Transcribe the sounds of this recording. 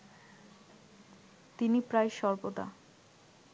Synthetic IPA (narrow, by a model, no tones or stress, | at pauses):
t̪inipɾajʃɔɾbot̪a̰